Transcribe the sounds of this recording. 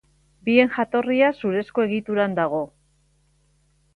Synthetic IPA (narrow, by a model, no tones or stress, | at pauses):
bie̞nʝat̪o̞riasuɾe̞sko̞e̞ɣit̪uɾand̪aɣ̞o̞